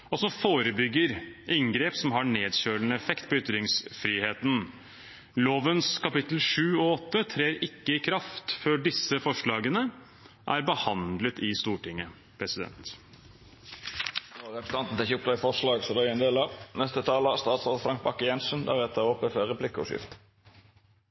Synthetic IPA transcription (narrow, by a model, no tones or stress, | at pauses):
ɔsɔmfoːɾəbʏɡːəɾʔɪŋɡɾeːpsɔmɦɑɳeːd̪ɕøːɳəɛfɛkt̪pʰɔʏt̪ɾɪŋsfɾiːheːt̪n | loːʋənskʰɑpɪt̪əlʂʉːɔɔt̪ːət̪ʰɾeːɾɪkːəɪkʰɾɑft̪fœɖɪsːəfɔʂɭɑːɡənə | ʔæ̰ɾbəhɑnd̪lət̪ɪst̪uːʈɪŋːə | pʰɾɛsɪd̪ɛ̰nt̪ | oʁɛpɾəs̩ɑnt̪n̩t̪ɪçʊpt̪ɑɪfɔʁʂlɑːɡsɔd̪ɛɛnd̪eːlɑnɛst̪ət̪ʰɑːləst̪ɑːt̪sʁɑːfɾɑŋk̚bɑkːəjɛnsənd̪æ̰ɾɛt̪ːəɔpəfœʁɛpʰlɪkːəɔ̰ʂɪ̰ft̪